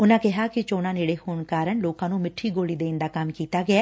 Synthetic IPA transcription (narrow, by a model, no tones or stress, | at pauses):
ʊnãːkɪɦaːkɪt͡ʃoːnaːneːɽeːhoːɳkaːɾəɳloːkãːnũːmɪʈʰːiːɡoːliːd̪eːnd̪aːkɐmkiːt̪aːɡɪaː